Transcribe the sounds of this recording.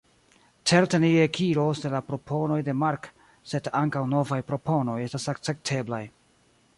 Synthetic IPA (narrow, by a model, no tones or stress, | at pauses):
tʰeɾteniekʰiɾo̞sdelapɾo̞pʰo̞no̞jde̞maɾk | se̞daŋkawno̞vajpɾo̞pʰo̞no̞je̞stasak̚t͡se̞k̚tʰe̞blaj